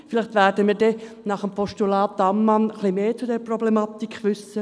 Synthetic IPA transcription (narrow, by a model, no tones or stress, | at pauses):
fɪlɪχtʋɛːɾdəmiːɾdɛ | nɑχəmpʰɔʃtulɑːt̚d̥ɑmːɑnəχlimeːt͡sʊdɛɾprɔblemɑt̪ikχʋʏsə